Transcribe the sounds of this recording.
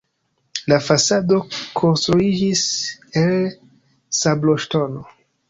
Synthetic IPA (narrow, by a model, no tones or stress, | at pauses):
lafasado̞kʰo̞nstɾuid͡ʒisel | sabloʃto̞no